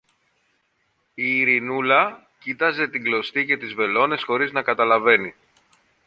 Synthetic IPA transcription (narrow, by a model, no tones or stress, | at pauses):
iːɾinulɐ | cit̪ɐze̞t̪iŋɡlo̞st̪ice̞t̪izve̞lo̞ne̞sxo̞ɾiznɐkɐt̪ɐlɐve̞ni